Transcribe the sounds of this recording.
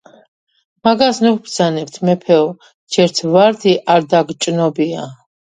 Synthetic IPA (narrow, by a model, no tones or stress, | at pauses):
maɡasnukbɾd̪zanɛp̚t̪ʰmɛpʰɛɔ | d͡ʒɛɾt̪ʰvaɾd̪ʰiʔaɾd̪aɡt͡ʃʼnɔbia